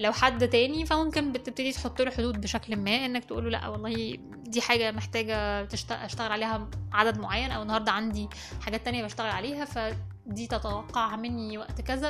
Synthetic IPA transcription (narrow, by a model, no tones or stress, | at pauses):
læwħad̪ːt̪æːnifæmomkenbet̪ebt̪ed̪it̪ħot̪ˤːoːloħod̪uːd̪̚beʃæklmæːʔenːækt̪eʔṵːlolæ̰ʔæ̰wɑlˤːɑːhi | d̪iːħaːɡæmeħt̪æːɡæt̪eʃt̪æʔæʃt̪æɣelʕaleːhæʕad̪æd̪moʕajːænʔæwenːɑhɑɾˤd̪ˤɑʕand̪i | ħaɡæːt̪ːænjæbæʃt̪æɣelʕaleːɦæfæ | d̪iːt̪æt̪æwɑqːɑʕmenːiwæʔt̪kæzæ